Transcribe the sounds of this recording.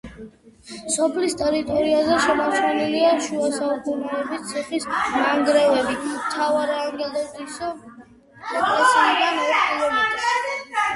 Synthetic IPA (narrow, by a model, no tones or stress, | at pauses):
sɔpʰlist̪ʼɛɾit̪ʼɔɾiazɛʃɛmasmɛniliaʃuasaukʼunɛɛbist̪sʰɛχismaŋɡɾɛvɛbimt̪ʰavaɾianɡɛld̪azɾisɔ | ɔkʼɾɛsiid̪anɔɾpkʼilɔmɛis